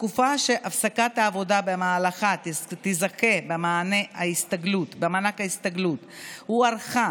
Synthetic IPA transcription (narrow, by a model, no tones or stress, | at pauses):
tkufaʃeʔafsakat̪haːvo̞dabemaːlaχat̪izake̞bemaːneaist̪aɡlut̪bemanakaist̪aɡlut̪huaɾχa